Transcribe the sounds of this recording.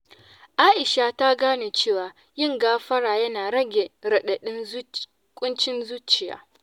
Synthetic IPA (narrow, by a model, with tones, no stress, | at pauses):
ʔaː˦ʔɪ˨ʃa˨ta˦ɡaː˦neː˨t͡ʃeː˦˨waː˨ | jɪ˦˨ŋɡaː˦ɸɐ˦ɽaː˨jɐ˦naː˨ɾɐ˦ɡʲe˨ɾɐ˨ɗɐ˨ɗɪ˦n˦ | kʷʼʊ˦nt͡ʃɪ˦nzuː˦t͡ʃɪ˨ja̰ː˨